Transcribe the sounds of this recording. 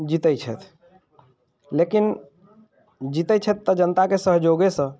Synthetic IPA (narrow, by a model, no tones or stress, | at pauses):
d͡ʒit̪ɛjt͡ʃʰɛ̰t̪ʰ | lekin | d͡ʒit̪ɛt͡ʃʰɛt̪ːəd͡ʒənt̪akesəɦd͡ʒoɡesə̃